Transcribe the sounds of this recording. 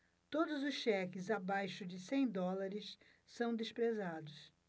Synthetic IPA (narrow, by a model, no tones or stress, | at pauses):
t̪od̪ʊzʊsʃɛkɪzabajʃʊd͡ʒɪsẽj̃d̪ɔlaɾɪsː | ɐ̃w̃d̪espɾezad̪ʊs